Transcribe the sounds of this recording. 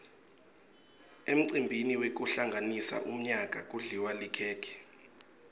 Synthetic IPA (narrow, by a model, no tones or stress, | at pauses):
em̩ǀimbʱiniwek̬uɬaŋɡʱanisa̰ʔum̩ɲak̬ʼak̬ʼuɮiwalikʰɛːkʰɛ̥